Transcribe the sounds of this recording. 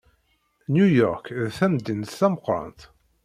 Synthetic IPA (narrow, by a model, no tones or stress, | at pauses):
njujɔɾkðθæmd̪int̪θæməqɾˤɑ̰nt̪